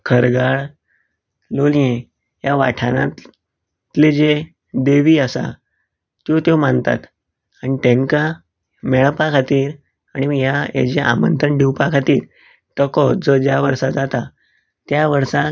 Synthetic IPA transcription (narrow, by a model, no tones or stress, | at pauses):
kʰəɾɡaɭ | lolje | jaʋa̰ʈʰana | t̪led͡ze | d̪eʋiːəsa̰ | t̪jot̪jomant̪a̰t̪ | aɽ̃it̪ẽŋka | mɛɭəpakʰat̪iːɾ | aɽ̃iɡjaja̰d͡ʑeʔa̰mə̰nt̪ɾəɳɖʱiwpakʰat̪iːɾ | t̪əkɔd͡zɔd͡ʑjaʋəɾsad͡zat̪a | t̪jaʋəɾsa